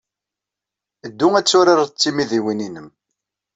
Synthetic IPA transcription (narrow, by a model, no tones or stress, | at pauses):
əd̪ːuŋæt͡sːʊɾaɾt͡sːimiðiwininəm